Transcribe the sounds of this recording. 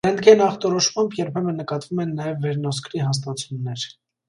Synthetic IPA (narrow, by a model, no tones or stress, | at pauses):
ɛnd̪ɡɛnɑχt̪ɔɾɔʃmɑmbjɛɾpʰɛmənːəkɑt̪vumɛnːɑjɛvːɛɾnɔskɾiɦɑs̬t̪ɑt͡sʰunːɛɾ